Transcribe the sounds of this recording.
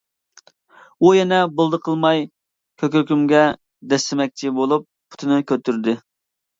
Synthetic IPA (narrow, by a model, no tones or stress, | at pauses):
ujɛnɛbʊlˠd̪əqʰəlˠmɑj | kʲʰøkʲyɾkʲymɡʲɛ | d̪ɛst̪ɪmɛk̚ʲt͡ʃʰɪbolˠup̚pʰʊ̥t̪ʰɨnɨkʲøt̪ʰːyɾd̪ɪ